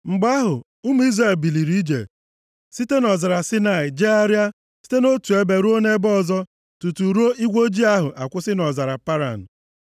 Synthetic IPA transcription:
ŋ͡m̩˨ɡ͡ba˦ɦʊ˨ | ʊ˦m˦i˦zɾe˨lbi˨li˨ɾi˦d͡ʒḛ˨ | si˦te˦nɔ˨za˨ɾa˨si˦na˨ɪ˨d͡ʒe˦a˦ɾja˦ | si̥˦te˦no˦tu˨e˦be˨ɾu˦o˦ne˦bɔ˦˨zɔ˦ | tu˨tu˨ɾu˦o˦i˦ɡʷo˦d͡ʒi˦a˦ɦʊ˨ʔa˨kʷʊ˦sɪ˦nɔ˨za˨ɾa˨pa˦ɾa̰˨n̩˨

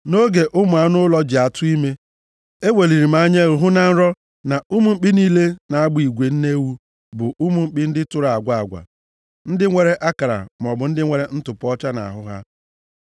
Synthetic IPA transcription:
no˦ɡe˨ʔʊ˦mʊ˨a˨˦nʊ˦lɔ˦d͡ʒɪ˨a˨tʊ˦i˦me˦ | e˦wʷe˨li˨ɾi˨ma˨˦ɲe˦u˨ɦʊ˦na˨n̩˦ɾɔ˦ | na˨u˦mu˨ŋ͡m̩˦k͡pɪ˦niː˦le˦na˨a˦ɡ͡bʊ˦i˨ɡʷe˨n̩˦ne˦wu˦ | bʊ˨ʔu˦mu˨ŋ͡m̩˦k͡pɪ˦n̩˦dɪ˦tʊ˦ɾa˨a˨ɡʷa˦a˨ɡʷa̰˨ | n̩˦dɪ˦ŋʷe˨ɾe˦ʔa˦ka˨ɾa̰˨m˨ɔ˨bʊ˨n̩˦dɪ˦ŋʷe˨ɾe˦n̩˦tʊ˨pɔ˦t͡ʃa˦na̰˨ɦʊ˦ɦa̰˦

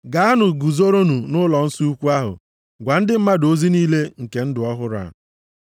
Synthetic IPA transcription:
ɡa˨˦a˦nʊ˨ɡu˨zo˦ɾo˦nu˨nʊ˦lɔ˨n̩˦si˦u˦kʷu˦a˦ɦʊ̰˨ | ɡʷa˨n̩˦dɪ˦m̩˦ma˦do˦zi˦niː˦le˦ŋ̩˨ke˨n̩˦dʊ˨ɔ˦ɦʊ˦ɾa̰˨

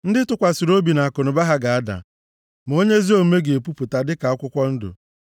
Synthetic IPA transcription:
n̩˦dɪ˦tʊ˨kʷa˨su˨ɾo˦bi˨na˨a˨ko˨nʊ˨ba˦ɦa˦ɡa˨a˦da̰˨ | m˨o˦ɲe˦zi˦o˦me˦ɡe˨e˨pu˦pu˨ta˨dɪ˦ka˨a˦kʷʊ˦kʷɔ˦n̩˦dʊ̰˨

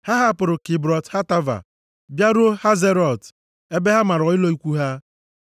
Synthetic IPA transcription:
ha˦ɦa˦pʊ˨ɾʊ˨kɪ˨bɾɔ˨tha˦ta˦va̰˨ | bja˦ɾu˦o˦ha˦ze˦ɾɔ˨t | e˦be˦ɦa˦ma˨ɾɔ˨ɪ˦lo˦i˦kʷu˦ɦa˦

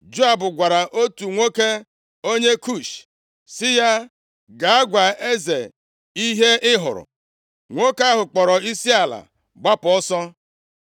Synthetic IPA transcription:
d͡ʒo˦a˨bʊ˨ɡʷa˨ɾa˨ʔo˦tu˨ŋʷo˦ke˦ | o˦ɲe˦ku˦˨ʃ | sɪ˦ja˦ | ɡa˨a˦ɡʷa˨e˦ze˨ | i˦ɦe˦ʔɪ˦ɦʊ̰˨ɾʊ̰˨ | ŋʷo˦ka˦ɦʊ˨k͡pɔ˨ɾɔ˨i˦si˦a˨la̰˨ | ɡ͡ba˦pɔ˦sɔ˦

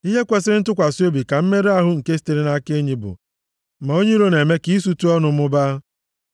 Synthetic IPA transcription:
i˦ɦe˦kʷe˨sɪ˦ɾɪ˦n̩˦tʊ˦kʷa˨si˦o˦bi˨ka˨m̩˦me˦ɾe˦a˦ɦʊ˦ŋ̩˨ke˦s̬i̥˦te˨ɾe˦na˦ke˦ɲi˨bʊ̰˨ | ma˨o˦ɲe˦ɾo˦ne˨me˦ki˦su˦tu˦ɔ˦nʊ˨m̩˦ʊ˦ba˦

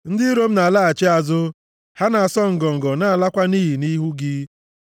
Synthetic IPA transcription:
n̩˦dɪ˦ɾo˦m̩˦na˨a˨la˦a˨t͡ʃe˦a˨zʊ˦ | ha˦na˨a˨sɔ˦ŋ̩˨ɡɔ˨ŋ̩˨ɡɔ˨na˨a˨la˦kʷa˦niː˦ɦi˨ni˦ɦu˦ɡɪ˦

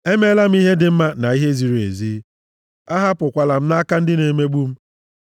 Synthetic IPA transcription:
e˦me˦la˦m̩˦i˦ɦe˦dɪ˨m̩˦ma˦na˨i˦ɦe˦zi˨ɾe˨zi˦ | a˦ɦa˦pʊ˨kʷa˨la˨m̩˦na˦ka˦n̩˦dɪ˦ne˨me˦ɡ͡bu˦m̩˦

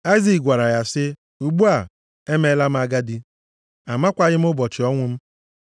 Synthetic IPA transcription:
a˦ɪ˦zi˨kɡʷa˨ɾa˨ja˨sɪ˦ | u˨ɡ͡bu˦a˨ | e˦me˦la˦m̩˦a˨ɡa˦di˦ | a˨ma˦kʷa˨ɲɪ˦m̩˦ʊ˦bɔ˨t͡ʃɪ˨ɔ˦ŋʷʊ˦m̩˦

